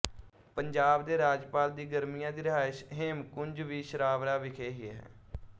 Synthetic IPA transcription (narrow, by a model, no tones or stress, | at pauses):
pəɲd͡ʒaːbd̪eːɾaːd͡ʒpaːld̪iːɡəɾmijãːd̪iːɾɪɦaːʃɦɪmkʊɲd͡ʒʋiːʃəɾaːʋɾaːʋɪkʰeːɦɪɛɦɛ̰ː